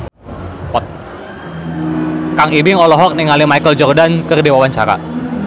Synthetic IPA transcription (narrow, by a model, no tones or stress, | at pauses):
ɔt̪̚ | kaŋibɪŋɔlɔɦɔk̚niŋalimajkəld͡ʒɔrdankərdewawaɲt͡ʃa̰ɾa̰